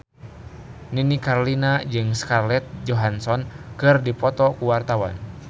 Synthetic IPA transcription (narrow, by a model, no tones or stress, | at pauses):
ninikaɾolinad͡ʒɨŋskarlɛt̪̚d͡ʒɔɦansɔnkɨrdipɔt̪ɔkuwart̪awa̰n